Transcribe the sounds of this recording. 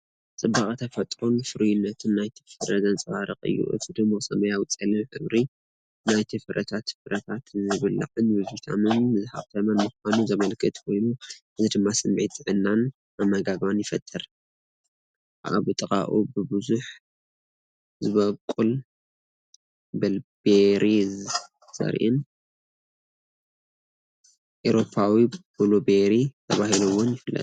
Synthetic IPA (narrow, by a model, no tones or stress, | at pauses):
t͡sʼɨbaχʼt̪ʰɐfɐt̪ʼɾonfɨɾujɪnːɐt̪ʰɨnːajt̪ʰi̥fɨɾɐzɐnt͡sʼɨβaɾɨχʼɨ̰jːṵʔɨ̰t̪ʰid̪ɨmːosɐmɐjawt͡sʼɐlɨmħɨβɾi | najt̪ʰɨfɨɾʔɐ̰t̪ʰat̪fɨɾɐt̪ʰat̪zɨβɨlɨ̰ʕɨnbɨzt̪ʰa̰mɨnmɨzha̰βt̪ʰɐmɐnmɨxʷanuzɐmɐlkʰɨt̪kʰo̞jnuʔɨzid̪ɨmːasɨmʕit̪ɨʕɨnːan | ʔamɐɡaɡβanjɪfɐt̪ʰːɨɾ | ʔʔa̰βɨt̪ʼɨkʼa̰ʔubɨbɨzuħ | zɨβɐkʼul | bɐlbeɾʔi | z̥ɐ̰ɾʔɨn | ʔoɾo̞pʰawib̥olobeɾit̪ʰɐβahiluwonjɪfɨlːɐ̰t̪ʼ